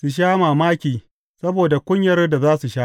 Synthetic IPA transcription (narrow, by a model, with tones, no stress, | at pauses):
su˨ʃ̬aː˦maː˨maː˦kʲiː˨ | sɐ˦boː˨da˨kʷʊ˦ɲjɐ˦rda˨zaː˦su˨ʃaː˦